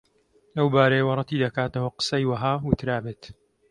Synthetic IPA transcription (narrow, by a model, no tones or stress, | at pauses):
lɐwbaːɾɐjewɐrˤɨt̪iːd̪ɐkaːt̪ɐwɐqə̥sɐjwɐɦaːwʊt̪ɾaːbeːt̪